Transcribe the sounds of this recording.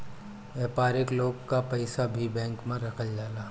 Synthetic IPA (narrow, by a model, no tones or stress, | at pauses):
ʋɛːpaːɾɪkloːɡkapɐɪsabʱibɛ̃ːŋkmẽɾɐkʰəld͡ʒaːlaː